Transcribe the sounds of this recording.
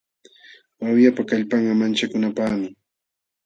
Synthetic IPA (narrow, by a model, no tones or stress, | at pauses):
wawjapakaʎpɑɴɢɑmant͡ʃakʊnapaχmɪ